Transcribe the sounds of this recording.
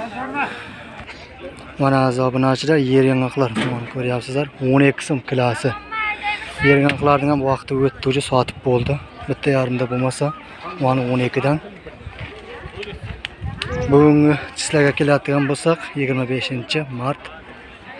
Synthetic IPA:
mɑnɑːzɑbɨnɑt͡ʃʰɪd̪ɑjeɾɡɪŋɑqlˠɑɾsomɑnkʲʰøɾjɑpsɨzlˠɑɾwonekʲʰːɪ̥somkʰʲɪlæsɪ | jeɾɡʲɑŋqlˠɑɾd̪ɪŋhæmwɑqt̪ʰɨwɵt̪ːud͡ʒɪsɒt̪ʰɨ̥p̚bolˠd̪ɪbɪt̪ʰːɛjɑɾɨmd̪ɑbolˠmɑsɑ | ɑnɨwonekʲɪd̪æn | bʊɡʲɪŋʲɪt͡ʃʰɪ̥slæɾɡʲɛkʲʰelæd̪ɪɡʲɑnbolˠsɑqjɪɡʲɪɾmɛbeʃɪnt͡ʃʰɪmɑɾt̪

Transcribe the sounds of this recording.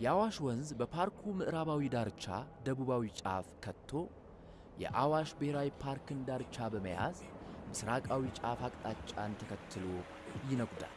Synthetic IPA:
jɛʔawaʃwɔnzbəpʰaɾkʰumɨʔɾaβawid̪aɾt͡ʃːa̰d̪əβuβawit͡ʃʼa̰fkʰət̪ʰːo̞ | jɛ̰ʔawaʃbəheɾawipʰaɾkɨnd̪aɾt͡ʃːabəməja̰zmɨsɾakʼawit͡ʃʼafakʼt̪ʼat͡ʃʼːant̪ʰəkʰət̪ʰːɨlo | jɪnəɡʷʼd̪a̰l

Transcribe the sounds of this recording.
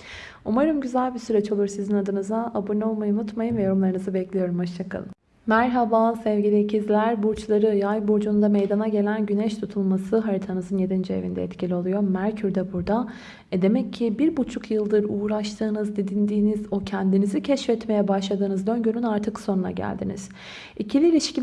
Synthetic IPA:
umaɾɯmɟyzælʲbisyɾet͡ʃʰo̞lˠuɾsizinad̪ɯnɯzaabuɾnɛolˠmajɯunut̪majɯmvɛjoɾumlˠaɾɯnɯzɯbɛclʲijo̞ɾumhoʃt͡ʃʰakʰa̰lˠɯm | mæɾɦabasɛvɟilʲicizlʲæɾbuɾt͡ʃlˠaɾɯjajbuɾd͡ʒund̪amejd̪anaɟe̞lʲænɟynɛʃt̪ʰut̪ʰulˠmasɯɦaɾit̪ʰanɯzɯnje̞d̪ind͡ʒie̞̰vḭnd̪ɛ̰ɛt̪cʰilʲio̞lˠujo̞mæɾcʰyɾd̪ɛbuɾd̪a | ɛd̪e̞mɛcʰːibiɾbut͡ʃʰukʰjɯlˠd̪ɯɾuːɾaʃt̪ʰɯːnɯzd̪ed̪ind̪iːnizo̞cʰɛnd̪inizicʰɛʃfɛt̪me̞jɛbaʃlˠad̪ɯːnɯzd̪ø̞nɟynynaɾt̪ʰɯkso̞nuna̰ɟæ̰lʲd̪ḭnḭz̥ | icʰilʲiːlʲiʃci

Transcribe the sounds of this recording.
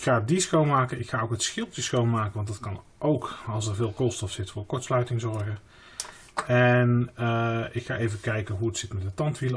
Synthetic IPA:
kχaːdisxowmaːkənɪkχaːowkətsxɪlˠtəsxowmaːkənʋɑndɑtkɑn | ʔowkɑlˠsɛɹvɪːlˠkolˠstɔfsɪtfʊːɹkɔɹtslœɥtɪŋzɔɹɣə | ɛnəɪkχaːʔejvəkɛjkəɦuətsɪtmɛtdətɑntʋilə

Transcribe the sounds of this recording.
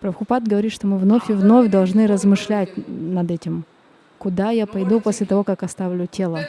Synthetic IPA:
pɾɐxʊpat̪ɡəvɐɾʲit̪ʂt̪o̞mɨvno̞fʲɪvno̞fʲd̪ɐlˠʐnɨɾəzmɨʂlʲætʲnɐd̪ɛtʲɪm | kʊd̪ajapɐjd̪uposʲlʲɪt̪ɐvo̞kakɐst̪avlʲʊtʲe̞lˠə

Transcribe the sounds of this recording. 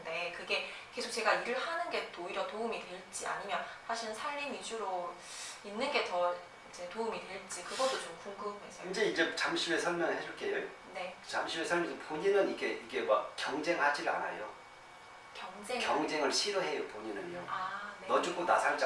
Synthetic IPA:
de̞kɯɡe̞ | ke̞sʰo̥k̚t͡ɕe̞ɡaiɾɯɭhanɯnɡe̞toiɾjʌtoumidwe̞ɭt͡ɕ͈ia̰ɲimjʌnsʰaɕʰiɾɯnsʰaɭmimid͡ʑuɾo | inːɯnɡe̞tʌ | id͡ʑe̞toumidwe̞ɭt͡ɕ͈ikɯɡʌd͈ot͡ɕomkuŋɡɯmɦe̞sʰʌind͡ʑe̞id͡ʑe̞t͡ɕamɕʰibe̞sʰʌɭmjʌnɯɭɦed͡ʑʌɭk͈ejo | ne̞t͡ɕamɕʰibesʰʌɭmjʌnsʰʌpoɲinɯniɡe̞iɡe̞wakk͈jʌŋd͡ʑe̞ŋɦad͡ʑiɾa̰na̰jo̰ | kjʌŋd͡ʑeŋkjʌŋd͡ʑe̞ŋɯɭɕʰiɾɯɦe̞jopoɲinɯ̰noanenʌd͡ʑuk͈ona̰sʰaɭt͡ɕ͈a

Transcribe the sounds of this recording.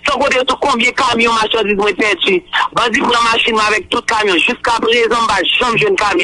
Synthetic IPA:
sɔ̃kot̪esukɔ̃bjɛ̃kamjɔ̃maʃɑ̃dizmwɛ̃pɛd͡zibãd͡zipunɐ̃maʃinmwɛ̃avɛk̚t̪ut̪̚kamjɔ̃ʒyskapʁezãm̩baʒɐ̃mʒwɛ̃nkamj̃ɔ̃

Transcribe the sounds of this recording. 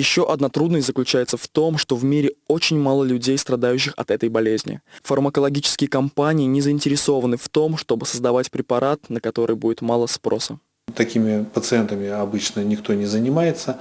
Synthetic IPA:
jɪɕːo̞ʔɐd̪nat̪ɾud̪nəsʲtʲzəklʲʉt͡ɕæjɪt̪səft̪o̞mʂt̪o̞vmʲiɾʲɪo̞t͡ɕɪnʲmalˠəlʲʉdʲejst̪ɾɐd̪ajʉɕ̬ːɪxɐ̰t̪ɛt̪əjbɐlʲezʲnʲɪ̰fərməkəlˠɐɡʲit͡ɕɪ̥skʲɪjəkɐmpanʲɪɪnʲɪzəɪnʲtʲɪɾʲɪso̞vənɨft̪o̞mʂt̪o̞bɨsəzd̪ɐvatʲpɾʲɪpɐɾʔat̪nəkɐt̪o̞ɾʔɨjbudʲɪt̪malˠəspɾo̞sə | t̪ɐkʲimʲɪpət̪sɨɛnt̪əmʲɪɐbɨt͡ɕnənʲɪk̚t̪o̞nʲɪzənʲɪmajɪt̪sə

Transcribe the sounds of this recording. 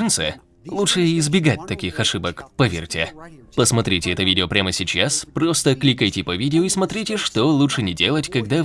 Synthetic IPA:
ɨnt̪sɨ̰ | lˠutʂɨɪzbʲɪɡat̚ʲt̪ɐkʲixɐʂɨbəkpɐvʲḛrʲtʲɪpəsmɐt̪ɾʲitʲɪɛt̪əvʲidʲɪopɾʲaməsʲɪt͡ɕaspɾost̪əklʲikəjtʲɪpɐvʲidʲɪoismɐt̪ɾʲitʲɪʂt̪olˠutʂɨnʲɪdʲe̞lˠətʲkɐɡd̪a

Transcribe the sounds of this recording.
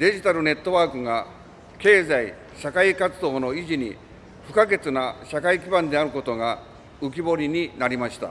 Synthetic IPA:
d̪e̞ʑit̪aɾɯ̟ne̞t̪ːo̞βaːkɯ̟ɡa | ke̞ːzai | ɕakaikat͡sɨd̪o̞ːno̞iʑiɲ̟i | ɸɯ̟kaɡe̞t͡sɨnaɕakaikʲibãnd̪e̞aɾɯ̟ko̞t̪o̞ɡa | ɯ̟k̬ʲibo̞ɾʲiɲ̟inaɾʲimaɕi̥t̪a̰

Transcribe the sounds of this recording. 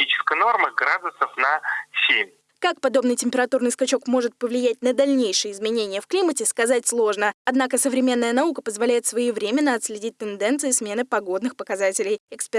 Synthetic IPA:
it͡ɕɪ̥skəjəno̞rməɡɾad̪ʊsəfnɐsʲemʲ | kak̚pɐd̪o̞bnɨjtʲɪmʲpʲɪɾɐt̪urnɨjskɐt͡ɕo̞kmo̞ʐɨt̪̚pəvlʲɪjæt̚ʲnəd̪ɐlʲnʲejʂɨjəɪzmʲɪnʲenʲɪjəfklʲimətʲɪskɐzatʲslˠo̞ʐnəɐd̪nakəsəvɾʲɪmʲe̞nːəjənɐukəpəzvɐlʲæjɪt̪svɐivɾʲemʲɪnːəɐt̪sʲlʲɪdʲit̚ʲt̪ɨnd̪ɛnt̪sɨɪsmʲe̞nɨpɐɡo̞d̪nɨxpəkɐzatʲɪlʲɪjɛkspʲ

